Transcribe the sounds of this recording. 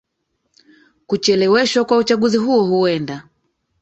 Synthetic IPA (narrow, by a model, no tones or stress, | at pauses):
kut͡ʃɛlɛwɛʃwakwaut͡ʃaɠuziɦuɔhuɛnda